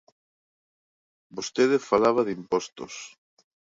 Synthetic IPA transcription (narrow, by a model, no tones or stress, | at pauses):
bost̪eðefalaβ̞ɐðimpɔst̪ʊs